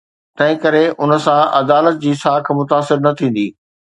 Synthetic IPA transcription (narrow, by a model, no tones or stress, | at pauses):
t̪ɐ̃ɦɪ̃kɐɾeʔʊnə̆sãʔɐd̪aːlət̪̚d͡ʑiːsaːkʰmʊt̪aːsɪɾnɐt̪ʰĩːn̆d̪iː